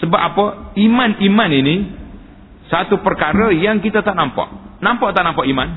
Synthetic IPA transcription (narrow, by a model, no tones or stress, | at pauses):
səbapapɔimanimanini | sat̪upərkaɾəjaŋkit̪at̪aʔnampɔ̰ʔnampɔʔt̪aʔnampɔʔiman